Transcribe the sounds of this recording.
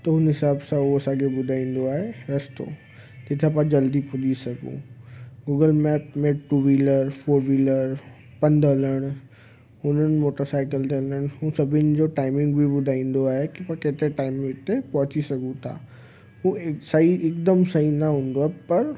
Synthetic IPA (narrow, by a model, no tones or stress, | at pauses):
t̪ɐɦʊnɦɪsaːbsãɐsãːkʰebʊd̪ʱaːĩːn̆d̪oaːɦeɾɐst̪o̰ː | tɪt̪ʰãp̬ãd͡ʑɐld̪ipʊlisɐɡṵ̃ɡuːɡəlmɛːʈmẽʈuːʋiləɾfʰoːɾʋiːləɾ | pɐ̃nd̪ɐləɽ̃ | ʊn̤ən̆moːʈəɾsaːɪkəlt̪eɦɐləɽ̃ɦũsɐbʱɪnɪ̆d͡ʑoʈaːɪmɪ̃ŋɡbʱibʊd̪ʱaːĩːn̆d̪oaːɦekipãket̪eʈaːɪmt̪epɐ̃ɦʊt͡ɕisɐɡũt̪ʰa̰ː | ɦũsɐɦiɪk̚d̪əmsɐɦinɐɦũːnd̪oepɐɾ